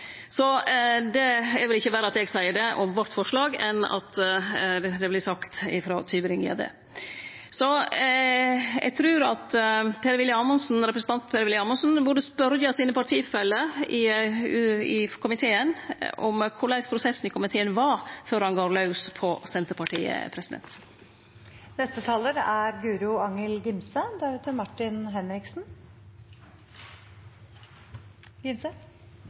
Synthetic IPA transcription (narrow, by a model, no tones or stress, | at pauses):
sɔd̪ɛɛɾʋɪlɪçːəbæːɾəɑt̪ɛɡsæɪəɖɛʔɔmʋɔɾt̪fɔʂɭɑːɡɛnːɑ̰t̪ | d̪ɛblɪsɑkt̪ɪfɾo̰ːt̪ʰyːbəɾɪŋɪ̰ɑ̰d̪ḛ | sɔ | ɛ̰ɡ̚t̪ʰɾʉːɾɑt̪pʰeːɾəʋɪlːəɑːmɔnsn̩ɾɛpɾəsn̩t̪ɑnt̪pʰeːɾəʋɪlːəɑːmɔnsn̩bʊɖəspœɾjɑsiːnəpɑʈʰiːfɛlːəɪ | ɪkʰʊmɪt̪ʰeːənʔɔ̰mkʰʊɭæɪspʰɾʊsɛsn̩ɪkʰʊmɪt̪ʰeːənʋɑføːɾhɑnɡɑːɾlɑʉspʰɔsɛnt̪əɾpɑʈʰḭːə̰pʰɾɛsɪd̪ɛ̰nt̪ | nɛst̪ət̪ʰɑːləɾæɾɡʉːɾʊɑŋəlɡɪmsəd̪ɛət̪ʰəmɑʈɪnɦɛnɾɪksn̩ | ɡɪmsə